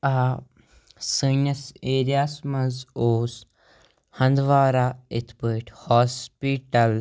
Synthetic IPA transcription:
a | sɨnɐseːɾijaːsmɐzoːs | hɐ̃nd̪ʋaːɾaːit̪ʰpəːʈhɔːspiʈɐl

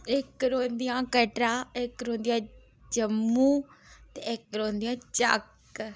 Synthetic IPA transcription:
ɪkɾoːnd̪ijãːkəʈɾãːɪkɾoːnd̪ijãː | d͡ʒəmːuːt̪eːɪkɾoːnd̪ijãːt͡ʃə̰k

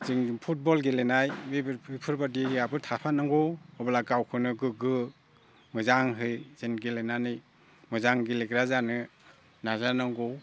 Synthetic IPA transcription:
ziŋpʰut̚bɔlɡelenajbiipʰɯɾbadiɡiabɯtʰapʰanaŋɡɔwɔbalakawkʰɯnɯɡɯɡɯ | mɯzaŋɦɯjzenɡelenanɯj | mɯzaŋɡileɡɾazanɯ | nazanaŋɡɔw

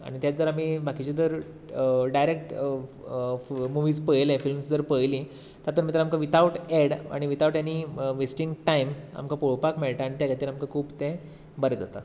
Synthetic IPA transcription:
a̰ɽ̃it̪jad͡zəɾam̤iːbakit͡ɕed͡zəɾ | ɖajɾek̚ʈ | muʋiːspəjlẽfilmsd͡zəɾpəjli | t̪at̪əːɾmit̪əɾamkaʋit̪auʈeɽa̰ɽ̃iʋit̪auʈjanːiːʋesʈiŋɡʈaima̰mkapoɭpakmeɭʈ̪aaːɽ̃it̪jakʰat̪iːlamkakʰuːbt̪ẽ | bəɾed͡zat̪a

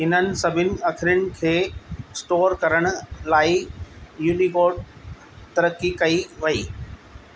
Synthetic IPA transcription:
ɦɪnənɪ̆sɐbʱɪnɪ̆ɐkʰɪɾʊɽ̃ɪ̆kʰeːsʈoːɾkɐɾəɽ̃ʊ̆laːijuːnikoːɾɖ̚ | t̪ɐɾəkːikɐiʋɐiː

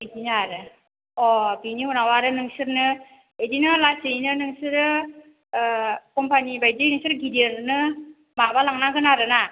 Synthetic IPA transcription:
edinaɾɯ | ɔbiniɦunawaɾɯnɯŋsɯɾnɯ | edinɯlasɯjnɯnɯŋsɯɾɯ | kɔmpʰanibajdɯjnɯŋsɯɾɡideɾnɯ | mabalaŋnaɡɯnaɾɯna

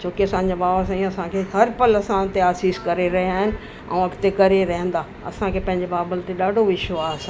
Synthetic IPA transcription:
t͡ɕʰoːkeɐsãːɲ̆d͡ʑabaːbəs̬ãĩɐsãkʰeɦɐɾpɐlɐsãt̪eaːsiːskɐɾeɾɐɦiaːɦɪnɪ̆ | ɛ̰̃ɐkt̪ekɐɾeɾɐɦə̃n̆d̪aː | ɐ̰sãkʰeːpɐ̃ɦɪ̃ɲd͡ʑebaːbəlt̪eɗaːɖʱoʋɪʃʋaːs

